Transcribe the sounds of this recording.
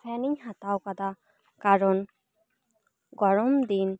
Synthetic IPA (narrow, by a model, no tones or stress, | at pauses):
pʰɛniɲhat̪awkad̪a | kaɹɔn | ɡɔɹɔmd̪in